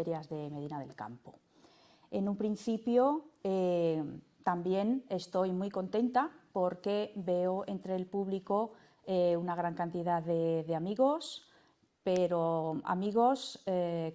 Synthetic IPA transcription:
eɾjazðe̞me̞ðinaðe̞̰lka̰mpo̰ | e̞nũmpɾin̟θipjo̞e | t̪ambje̞ne̞st̪o̞jmujko̞nt̪e̞nt̪apo̞ɾke̞be̞oe̞nt̪ɾe̞ːlpuβliko | eunaɣ̞ɾaŋkant̪iðaððe̞ðe̞amiɣo̞s | pe̞ɾoa̰miɣ̞o̞se

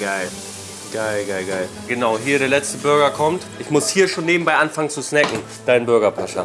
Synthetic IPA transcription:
ɡ̥aɪl | ɡ̥aɪlɡaɪlɡaɪl | ɡ̥ənaʊɦiːɐɾeːɐlɛt͡stəbʏɐɡɐkʰɔmtʔɪçmʊshiːɐʃoːnːeːbm̩baɪʔanfaŋənt͡susnɛkŋ̩ | d̥aɪnbʏɐɡɐpʰaʃɐ̰

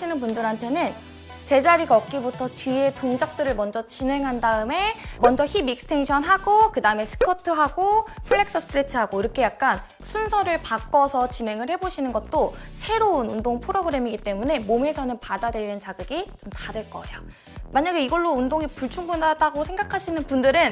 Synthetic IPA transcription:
inɯnpundɯɾɦantʰe̞nɯn | t͡ɕe̞d͡ʑaɾiɡʌk̚k͈ibutʰʌt͡ɕɥie̞toŋd͡ʑak̚t͈ɯɾɯɭmʌnd͡ʑʌt͡ɕinɦe̞ŋɦandaɯme̞mʌnd͡ʑʌçibik̚sɯ̥tʰe̞ŋɕʰʌnɦaɡokɯdaɯme̞sʰɯ̥kʰʌtʰɯɦaɡopʰɯɭːe̞k̚s͈ʌsʰɯtʰɯɾet͡ɕʰɯɦaɡoiɾʌkʰe̞jak̚k͈an | sʰunsʰʌɾɯɭpak͈ʌsʰʌt͡ɕine̞ŋɯɭhe̞boɕʰinɯnɡʌt̚t͈osʰe̞ɾounundoŋpʰɯɾoɡɯɾe̞miɡit͈e̞mune̞mome̞sʰʌnɯnpadadeɾinɯnt͡ɕaɡɯɡit͡ɕomtadeɭk͈ʌ̰e̞̰jo | maɲaɡe̞iɡʌɭːoundoŋipuɭt͡ɕʰuŋbunadaɡosʰe̞ŋɡakʰaɕʰinɯnpundɯɾɯn

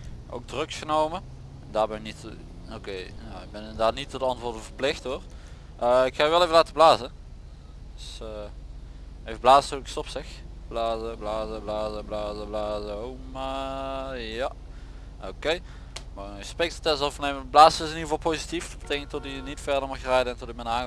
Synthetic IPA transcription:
ʔo̰wɡ̚drøksxənowmə | ɛndaːɹbɛnɪknit | okejaɪɡ̚bɛnɪndərdaːtnitədɑntʋʊːɹdəvərplɪxthoːr | ʔəɪkxaːjʋɛlˠevəlaːtəblaːzə | døsəː | efblaːzətoɪkstɔpsɪxblaːzəblaːzəblaːzəblaːzəblaːzəowma | ja | okej | maəspɛk̚tfətɛszɔfneːməblaːzəɪsəniːəvɑlˠpoːzitifbətʰekəŋtɔtɪənitfɛrdəɹmɑxrɛjdəɛntɔtəmɛnaːŋ

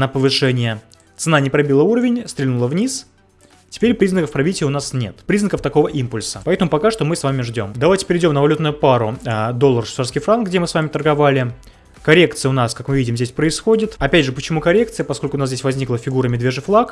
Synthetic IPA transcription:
nəpəvɨʂɛnʲɪjə | t̪sɨnanʲɪpɾɐbʲilˠəuɾəvʲɪnʲst̪ɾʲɪlʲnulˠəvnʲis | tʲɪ̥pʲeɾʲpɾʲiznəkəfpɾɐvʲitʲɪjəʊnasnʲe̞̰t̪pɾʲiznəkəft̪ɐko̞vəʔimpʊlʲsəpɐɛt̪əmʊpɐkaʂt̪o̞mɨsvamʲɪʐdʲo̞md̪ɐvajtʲɪ̥pʲɪɾʲɪdʲomnəvɐlʲut̪nʊjʊpaɾʊəd̪olˠːərʂsarskʲifɾank̚ɡdʲemɨsvamʲɪt̪ərɡɐvalʲɪ | kɐɾʲe̞kt̪sɨjəʊnaskakmɨvʲidʲɪmzʲdʲesʲpɾəɪsxodʲɪt̪ɐpʲædʲʐɨpət͡ɕɪmukɐɾʲe̞kt̪sɨjəpɐsko̞lʲkʊnaszʲeɪsʲvɐzʲnʲiklˠəfʲɪɡuɾəmʲɪd̪vʲeʐɨflˠak

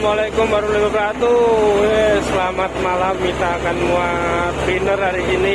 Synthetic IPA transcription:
malakʊmbaɾulebəpɾat̪uesəlamat̪̚malamːit̪akanmua | bənərdaɾikini

